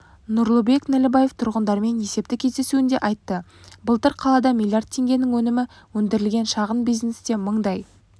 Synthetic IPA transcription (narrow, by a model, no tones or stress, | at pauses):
nʊɾlˠəbe̞knælɪbɑje̞ft̪ʰʊɾʁənd̪ɑɾme̞nje̞se̞p̚t̪ɪkʲʰezd̪e̞suɪnd̪e̞̰ʔɑjt̪ːə | bəlˠt̪əɾqʰɑlˠɑd̪ɑmʲilʲˠjard̪̚t̪ʰːe̞ŋɡʲe̞nɪŋwɵnɪmɪ | wɵnd̪ɪɾɪlɡʲe̞nʃɑʁənbijznest̪e̞məɴd̪ɑj